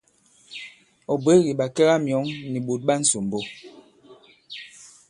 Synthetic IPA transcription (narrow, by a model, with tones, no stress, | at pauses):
ɔ˨be˨˦ɣi˨ɓa˨kɛ˦ɣa˦mjɔ˨˦ŋni˨ɓo˨t̚ɓa˦n̩˨so˨m̩˨bo˦